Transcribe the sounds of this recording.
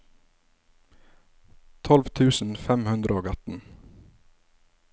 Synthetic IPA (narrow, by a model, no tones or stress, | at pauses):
t̪ʰɔlʋt̪ʰʉːsn̩fɛmhʉnd̪ɾʔəoːɡɑt̪n̩